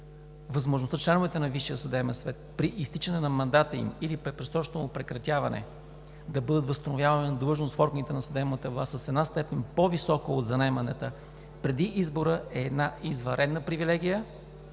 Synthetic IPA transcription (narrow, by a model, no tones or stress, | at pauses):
vɐzmoʒnost̪ət͡ʃlɛnʊvɛt̪ɛnɐviʃijəsɐd̪ɛmɛnsvɛt̪̚pɾiʔist̪it͡ʃənɛnɐmɐnd̪at̪əḭmilipɾɛpɾɛst̪ɔt͡ʃt̪omopɾɛkɾɐt̪ʲjavɐnɛ̰ | d̪ɐbɤd̪ət̪vəst̪ɐnovjavɐnʲinɐd̪lˠɤʒnost̪fɔɾɡənit̪ɛnɐsɐd̪ɛmnət̪əvlˠasəsɛd̪nast̪ɛpɛnʲpovisɔkəod̪zɐnɛmɐnɛt̪ə | pɾɛd̪iʔizboɾəɛːd̪naizvɐ̃ɾɛd̪nəpɾivilɛɡ̟ʲijə